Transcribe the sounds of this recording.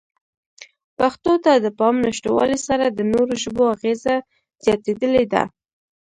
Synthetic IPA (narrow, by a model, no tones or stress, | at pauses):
paxt̪ot̪ad̪əpɑmnaʃʈowɑ̰lisaɾad̪ənoɾoʒəboaɣeza | z̥jɑt̪ed̪əled̪a̰